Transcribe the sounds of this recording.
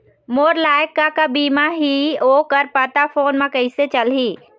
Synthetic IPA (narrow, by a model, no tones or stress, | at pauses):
moːɾlaːjəkːakabiːmaɦioːkəɾpət̪afʰoːnmãkɐiset͡ʃəlɦiː